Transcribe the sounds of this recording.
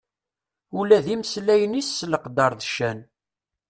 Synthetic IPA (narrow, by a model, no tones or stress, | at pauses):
ulæðimslæjənisːləqd̪ɑɾˤðʃæn